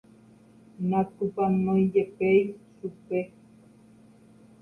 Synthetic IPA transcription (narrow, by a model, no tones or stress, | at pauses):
nãkupanõĩd͡ʒepejsupe